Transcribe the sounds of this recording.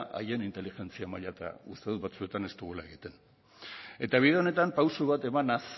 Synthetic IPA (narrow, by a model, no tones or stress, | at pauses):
ʔa̰je̞nint̪e̞lixe̞nt͡siamaʎat̪a̰ust̪eðuβat͡sue̞t̪ane̞st̪uɣ̞ulaeɣit̪e̞n | e̞t̪aβ̞iðeo̞ne̞t̪ampawsuβat̪e̞manas